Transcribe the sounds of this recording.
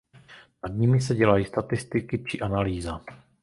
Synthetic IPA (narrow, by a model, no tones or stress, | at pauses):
nad̪ɲɪmɪs̬ɛɟɛlajist̪at̪ɪst̪ɪkɪt͡ʃɪʔanaliːza